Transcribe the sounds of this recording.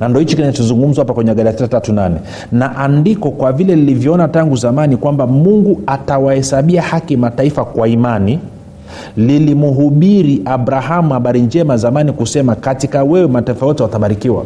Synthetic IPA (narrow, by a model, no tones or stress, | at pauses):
nandiɔhit͡ʃikinat͡ʃɔzuŋɡum̩zwahapakwɛɲɛaɡaɾiasisatatunanɛ | naʔandikɔkwavilɛnilivjɔɔnataŋɡuzamanikwambamuŋɡuatawahɛsaɓiahakimataifakwaimani | lilimuɦuɓiɾiʔabɾaɦamuhaɓaɾiɲd͡ʒɛmazamanikusɛmakatikawɛwɛmataifajɔtɛwataɓaɾikiwa̰